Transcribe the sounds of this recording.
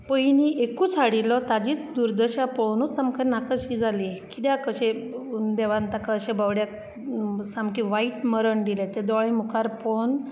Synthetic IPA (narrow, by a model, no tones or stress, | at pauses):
pəjniʔekuːt͡sʰaɽilɔt̪ad͡ʑiːt͡sd̪uɾd̪əɕaponut͡samkənakəɕid͡zalikid̪jakəɕed̪eʋant̪akaəɕebawɽja | samkiʋaiʈməɾəɳd̪ilet̪ed̪ɔɭimukʰaɾpon